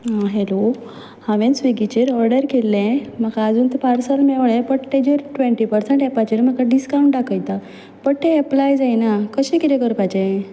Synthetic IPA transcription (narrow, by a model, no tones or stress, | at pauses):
ɦaɦelo | hãʋẽnsʋiɡit͡ɕeɾɔɾɖəɾkelːɛ̃m̤akaːd͡zuːnt̪ɛpaɾsəlmeʋɭɛ̃pəɽʈed͡ʑəɾʈʋẽɳʈipəɾseɳʈɛpat͡ɕeɾm̤əkaɖiskaũɳʈɖakʰəjt̪a | pəɽt̪eːplajd͡zajnakəɕɛ̃kit̪ɛ̃kəɾpat͡ɕẽ